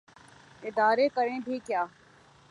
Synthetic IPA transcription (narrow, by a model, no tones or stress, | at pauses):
ɪd̪aːɾekɐɾẽbʱikjaː